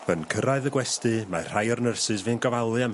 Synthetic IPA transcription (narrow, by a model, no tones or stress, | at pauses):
ənkʰəɾaɨðəɡwɛstɨmar̥ajɔrnərsɨsvɨːnɡɔvalˠɨam